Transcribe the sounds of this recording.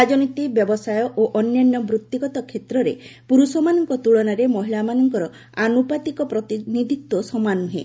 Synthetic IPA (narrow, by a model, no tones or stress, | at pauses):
ad͡ʒɔnit̪ibjɔbɔsajɔʔoʔɔnjanːɔmbɾut̪ːiɡɔt̪ɔkʰet̪ɾɔɾepuɾusɔmanɔŋkɔt̪uɭɔnaɾemɔɦilamanɔŋkɔɾɔ | anupat̪ikɔpɾɔt̪inid̪ʱit̪wɔsɔmanuɦe